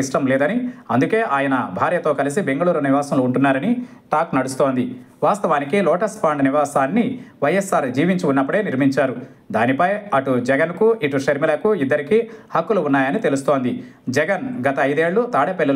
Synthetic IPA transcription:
iʂʈɐmlɛːd̪ɐniɐnd̪uke̞ːʔaːjɐnɐbʱaːɾjɐt̪o̞ːkɐlis̬ibe̞ŋɡɐɭuːɾuniʋaːsɐmloːɳʈunːaːɾɐniʈaːknɐɽust̪oːnd̪i | ʋaːst̪ɐʋaːnikilɔːʈɐspʰaːɳɖniʋaːsaːnːiʋɐjesːaːɾd͡ʒiːʋiɲt͡ʃiunːɐpːuɽe̞ːniɾmiɲt͡ʃaːɾu | d̪aːnipɐjɐʈud͡ʒɛɡɐnkuʔiʈuʂɐɾmilɐkuid̪ːɐɾikihɐkːuluunːaːjɐnit̪e̞lus̬t̪o̞ːnd̪id͡ʒɛɡɐnɡɐt̪ɐːjd̪e̞ːɭːut̪aːɽɐpelːɐ

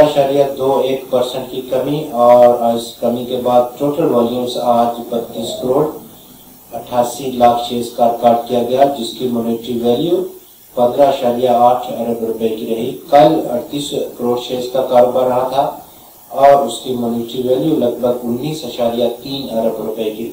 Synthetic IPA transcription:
əʃaːɾijad̪oːeːkpɐɾsə̃ɳʈkikɐmiɔːɾɪskɐmikebaːd̪̚ʈoːʈəlʋeːljusaːd͡ʒbɐt̪ːiːskəɾoːɽ | ɐʈʰaːsilaːkʰʃeːskaːɾɖ̚kaːɾʈ̚kijaɡɐjad͡ʒɪskimʊːneːʈɾiʋeːljuː | pɐ̃nd̪ɾaɦɐʃaːɾijaaːʈʰɐɾəbɾʊpəekiɾɐɦikɐlɐ̰ʈt̪iːskəɾoːɽʃeːskakaːɾbaɾɐɦat̪ʰa | ɔːɾʊskimʊːneːʈɾiʋeːljulɐɡbʱəɡʊnːiːsɐʃaːɾijat̪iːnɐɾəbɾʊpəeki

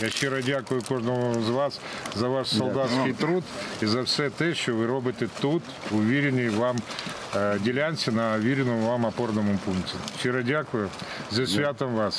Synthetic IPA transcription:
jaɕːɛɾɐdʲakʊjʊkoʐnɔʋɔzɐʋas | zɐʋaʂsɐlˠd̪at̪skɪjt̪ɾut̪izɐfsʲɛt̪ɛʃt͡ʃoʋɨɾobɨt̪ɨt̪ut̪ | ʊʋʲeɾʲɪnʲɪjʋam | dʲɪlʲanʲsʲɪnɐʋʲeɾʲɪnɔmʊʋamɐpornɔmʊpunktʲɪʃʲɪɾɐdʲakʊjʊzɐsʲʋʲat̪ɐmʋas

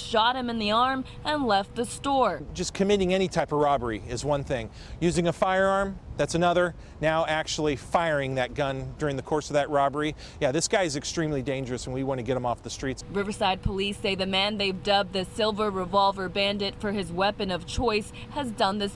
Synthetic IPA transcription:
ʃɑt̚hɨ̃mɨ̃nðiɑɹm | ʔɨ̃nlɛft̪̚ðɨstɔɹd͡ʒʌskʰɨmɪɾɪ̃ŋɛñitʰaɪpʌvɹɑbə˞iɨzwʌ̃nθɪ̃ŋ | jʉzɪ̃ŋɨfaɪə˞ɑɹmðætsɨnʌðə˞ | naʊʔæk̚t͡ʃul̩ˠifaɪə˞ɪ̃ŋðɨt̚ɡ̥ʌ̃ndʊɹɪ̃ŋðɨkʰɔɹsʌvðɨt̚ɹɑbə˞i | jæðɪsɡ̥aɪɨzɨkstɹ̥ĩmlidẽɪ̃nd͡ʒə˞ɨsɨ̃nwiwɑ̃nɨɡɛɾɨ̃mɔfðɨstɹ̥itsɹɪvə˞saɪd̚pʰəliseɪðɨmæ̃nðeɪvdʌb̚ðɨsɪlˠvə˞ɹɨvɑlˠvə˞bæ̃ndɨtfə˞ɨzwɛpɨ̃nʌv̥t͡ʃʰɔɪshɨzdʌ̃nðɨs

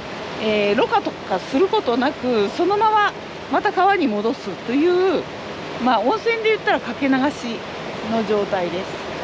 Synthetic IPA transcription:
eːɾo̞kat̪okasɨɾɯ̟ko̞t̪o̞nakɯ̟so̞no̞mama | mat̪akaβaɲ̟imo̞d̪o̞sɨt̪ːo̞jɯ̟ː | maːõ̞ɰ̃sẽ̞nd̪e̞jɯ̟t̪ːaɾakake̞naɡaɕi | no̞ʑo̞ːt̪aid̪e̞sɨ̥

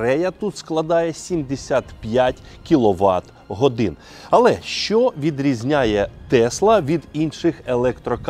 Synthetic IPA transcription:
ɾɛjɐt̪ut̪sklˠɐd̪ɑjɛsʲimd̪esʲat̪pʲjatʲ | kʲilˠɔʋɑt̪ | ɦɔd̪ɪn | ɐlˠɛʃt͡ʃɔʋʲid̪ɾʲizʲnʲajɛt̪ɛslˠɐʋʲid̪inʃɪxelˠɛkt̪ɾɔk

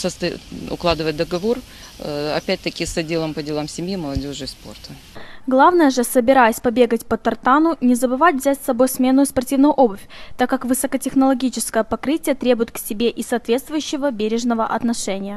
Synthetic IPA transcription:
səst̪ɐʊ̰klˠad̪ɨvət̚ʲd̪əɡɐvo̞r | ɐ̰pʲæt̚ʲt̪əkʲɪsɐdʲelˠəmpədʲɪlˠamsʲɪmʲjiməlˠɐdʲo̞ʐɨspo̞̰rt̪ʰə | ɡlˠavnəjəʐɨsəbʲɪɾajəsʲpɐbʲe̞ɡətʲpət̪ɐrt̪anʊnʲɪzəbɨvatʲvʲzʲætʲsɐbo̞jsmʲe̞nʊʊspɐrtʲivnʊjʊʔo̞bʊfʲt̪akːakvɨsəkətʲɪxnəlˠɐɡʲit͡ɕɪ̥skəjəpɐkɾɨtʲɪjət̪ɾʲe̞bʊjɪt̪̚ksʲɪbʲe̞ʔɪsɐːt̪vʲe̞t̪st̪vʊjʉɕːɪvəbʲeɾʲɪʐnəvəʔɐt̪nɐʂɛnʲɪjə

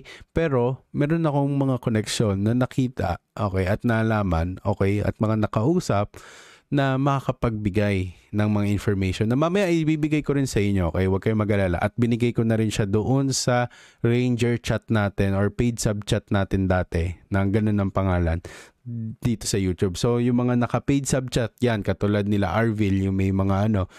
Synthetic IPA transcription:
pɛːɾo̞mɛːɾo̞nɐko̞ŋmɐŋako̞nɛkʃo̞nːɐnɐkiːt̪ɐ̰ʔoːkɛjʔɐt̪̚nalaːmɐno̞ːkɛjɐ̰t̪̚mɐŋanɐkɐʔuːsɐp̚ | nɐmɐkakɐpɐɡ̚bɪɡajnɐŋmɐŋaʔɪnfoɹmɛjʃonːɐmamɐjaʔɪbiːbɪɡajkoɾɪnsɐʔɪɲːoʔokɛjwɐɡ̚kɐjomɐɡɐlaːla̰ʔɐt̪̚bɪnɪɡajkonɐɾɪnʃad̪oʔo̞nsɐɹɛjnd͡ʒɛɹt͡ʃat̪̚naːt̪ɛnoɹpejd̪sɐb̚t͡ʃat̪̚naːt̪ɪnd̪aːt̪ɛnɐŋɡɐno̞nːɐŋpɐŋaːlɐn | d̪̥iːt̪o̞sɐjuːt̪ubso̞jʊŋmɐŋanɐkɐpejd̪sɐb̚t͡ʃat̪̚jankɐt̪ulad̪̚nɪla̰ʔaɹviljʊŋmɐjmɐŋaʔɐno̞

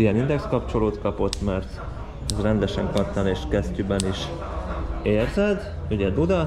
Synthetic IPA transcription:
ijɛnind̪ɛkskɒpt͡ʃo̞loːt̪kɒpo̞t̪ːmɛrt̪ | ɛzrɛnd̪ɛʃɛŋkɒrt̪ːɒneːʃkɛst̪ybɛniʃ | eːrzɛd̪uɟɛd̪ud̪ɒ

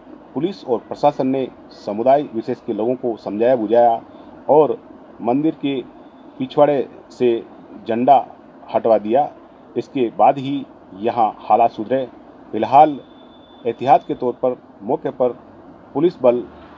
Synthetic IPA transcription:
pʊlɪsɔːɾpɾɐʃaːsənːe | səmʊd̪aːiʋɪʃeːskeloːɡõkosɐ̃md͡ʒʱaːjabʊd͡ʒaːjaɔːɾ | mə̃nd̪ɪɾke | pit͡ʃʰwaːɽe | se | d͡ʒə̃ɳɖa | hɐʈʋad̪ija | ɪskebaːd̪ɦi | jɐɦãhaːlaːt̪sʊd̪ɾɛ | fɪlɦaːl | ɪɦt̪ɪɦaːsket̪ɔːɾpəɾ | mɔːkʰjəpəɾ | pʊlɪsbəl

